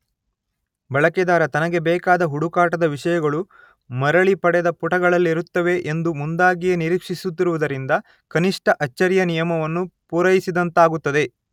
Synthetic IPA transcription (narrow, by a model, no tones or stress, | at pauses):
bɐɭɐkɛd̪aːɾɐt̪ɐnɐɡe̞bɛːkaːd̪ɐɦuɽukaːʈɐd̪ɐʋiʂɐjɐɡɐɭu | mɐɾɐɭipɐɽɛd̪ɐpuʈɐɡɐɭɐlːiɾut̪ːɐʋe̞ʔend̪umund̪aːɡijeniɾiːkʂisut̪ːiɾuʋud̪ɐɾind̪ɐ | kɐniʂʈɐʔɐt͡ʃːɐɾjɐnijɐmɐʋɐnːupuːɾɐjisid̪ɐnt̪aːɡut̪ːɐd̪e̞